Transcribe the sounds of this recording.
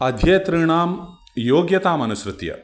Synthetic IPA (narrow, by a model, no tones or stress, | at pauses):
ɐd̪ʱjejt̪ɾiɳaːm | joːɡjɐt̪aːmɐnusɾɨt̪jɐ̰